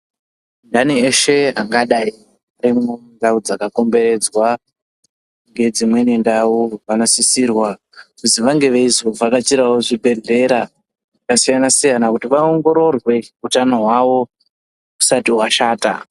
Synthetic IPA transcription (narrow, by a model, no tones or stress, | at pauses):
ndanieʃe̞aŋɡaɗai | aɾimondaud͡zakako̞mbe̞ɾe̞d͡zwa | ŋɡe̞d͡zimwe̞nindauʋanosisirwa | kusiʋaŋɡe̞ʋeizovakat͡ʃiɾawoʐibʱe̞ɮe̞ɾa | ʐakasijanasijanakutiʋaoŋɡo̞ɾo̞rwe̞utano̞ɦwaʋo̞ | ku̥satiwaʃaːta̰